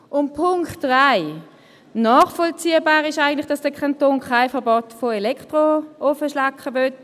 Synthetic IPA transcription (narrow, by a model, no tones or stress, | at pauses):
ʔʊnt̚pʰʊŋktʁaɪ | nɔːχfɔlt͡siːəbaːʁɪʃaɪɡəntlɪχd̥ɑsd̥əkʰɑntoːnkʰaɪfəɐbotfoelɛktʁoɔfəʃlɑkχəvøt